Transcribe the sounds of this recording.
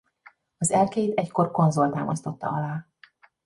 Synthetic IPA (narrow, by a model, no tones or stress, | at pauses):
ɒzɛlkeːjt̪ɛcko̞rko̞nzolt̪aːmɒst̪o̞t̪ːɒ̰ɒlaː